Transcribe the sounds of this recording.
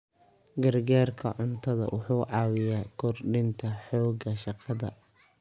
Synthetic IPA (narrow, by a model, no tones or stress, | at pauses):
ɡɐrɡaːrkʰɐ̰ʕʊnt̪ʰɐðɐ̰wʔʊħuːʕɑːwɪjaːkʰɔrɖɪnt̪ʰɐħɔːɡɐʃɑqʰɑðɐ̰